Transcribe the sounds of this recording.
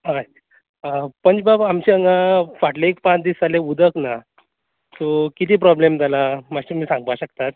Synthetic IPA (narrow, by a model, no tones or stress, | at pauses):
ɦa | əpəɳd͡ʑbabamɕiəŋɡafaʈleekpãt͡sd̪iːsaleud̪ʱəkna | t̪okit̪iːpɾɔblemd͡z̪alamaɕimiːsãŋɡ̚paɕəkt̪at̪̚